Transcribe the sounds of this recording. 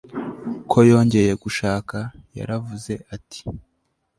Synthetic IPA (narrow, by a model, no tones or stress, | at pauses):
kʰo̞jo̞ːɲɟe̞je̞ɡuʃaːkaja̰ɾavuze̞ʔatʰi̥